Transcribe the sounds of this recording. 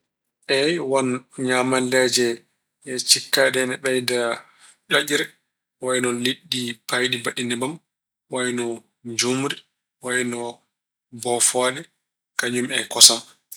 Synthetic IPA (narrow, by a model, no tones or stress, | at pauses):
ʔɛjwanɲamalːɛd͡ʒɛ | ʔɛt͡ʃikːadɛnɛɓɛjda | d͡ʒaʔiɾɛ | wajnɔliɗːipajdibaɗinɛbam | wajnɔ | d͡ʒumɾi | wajnɔ | bɔfɔːɗɛ | kaɲumɛkɔsan